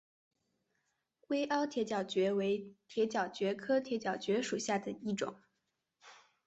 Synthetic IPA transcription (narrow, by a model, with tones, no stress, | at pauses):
we˥ɪʔɑ˥ʊt̪ʰjɛ˧˥t͡ɕjɑ˨˩ʊt͡ɕɥɛ˧˥we˧˥ɪt̪ʰjɛ˧˥t͡ɕjɑ˨˩ʊt͡ɕɥɛ˧˥kʰɤ˥t̪ʰjɛ˧˥t͡ɕjɑ˨˩ʊt͡ɕɥɛ˧˥ʂu˨˩ɕja˥˩d̪ə˩i˥˩ʈ͡ʂʊ̰˨˩˦ŋ